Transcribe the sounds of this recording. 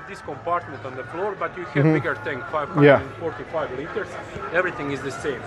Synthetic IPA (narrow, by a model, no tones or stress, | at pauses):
vd̪ɪskɔ̃mpaɾt̪̚mɛ̃ntɔ̃nðəflɔɹbʌtjuhɛvbɪɡə˞θɪ̃ŋfaɪv̥hʌ̃dæ̃nfɔɹt̪ifaɪvlitə˞zɛvɹiθɪ̃ŋɪzðɨsẽɪ̃m